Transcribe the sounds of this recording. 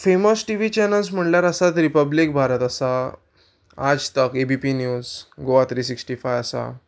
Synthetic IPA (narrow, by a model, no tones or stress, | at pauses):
femosʈiʋiːt͡ɕenəls̬m̤əɳljaɾəsat̪ɾipəblik̚bʱaɾət̪əsa | ad͡zt̪əkebipinjuːzɡoʋat̪ɾiːsiksʈifajasa̰